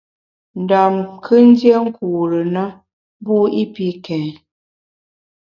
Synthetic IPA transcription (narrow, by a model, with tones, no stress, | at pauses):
n̩˨da˨mkʰɨ˦n̩˦dje˦ŋ̩˦kuː˨ɾə˨na˦ | bu˦i˦pi˦kɛ̃˨